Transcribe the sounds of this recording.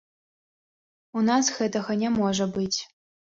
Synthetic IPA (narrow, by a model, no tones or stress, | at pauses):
unasxɛt̪ɐxɐnʲɛmɔʐɐbɨtʲ